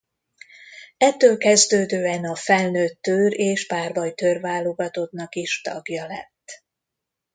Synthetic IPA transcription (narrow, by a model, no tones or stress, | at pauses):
ɛt̪ːøːlkɛzd̪øːd̪øːɛnɒfɛlnøːt̪ːøːɾeːʃpaːrbɒjt̪ørvaːlo̞ɡɒt̪o̞d̪nɒkiʃt̪ɒ̰ɡjɒlɛ̰t̪ː